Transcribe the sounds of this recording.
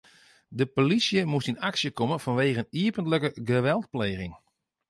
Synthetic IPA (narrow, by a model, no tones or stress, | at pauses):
dəpolisjəmustinaksjəkomənfɔnʋeːɣəniəpəntləkəɡəʋɛlˠt̚pleːɣɪŋ